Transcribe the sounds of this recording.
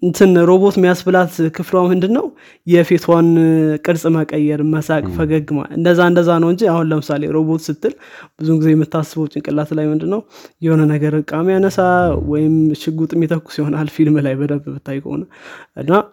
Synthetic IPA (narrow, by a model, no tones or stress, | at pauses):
ɨnt̪ʰɨnɾo̞bo̞t̪mijasbɨlat̪kʰɨflwamɨnd̪ɨnːəw | jɛfe̞t̪ʰwankʼɨɾsʼməkʼəjːɛɾməsakʼfəɡəɡɨma̰lɨ̰nd̪əzːaɨnd̪əzːanəwɨnd͡ʒiahunləmɨsaleɾo̞bo̞t̪sɨt̪ːɨlb̥ɨzuŋɡize̞jɛmːɨt̪ʰːasːəbəwt͡ʃʼːɪnkʼɨlːat̪lajmɨnd̪ɨnːəwjɛho̞nənəɡəɾɨkʼːamjanəsawɔjɪmʃɪɡut̪ʼmːit̪ʰəkʼːu̥sihonalfilmlajbəd̪əmbmɨt̪ʰːajkʰo̰nəʔɨ̰nːa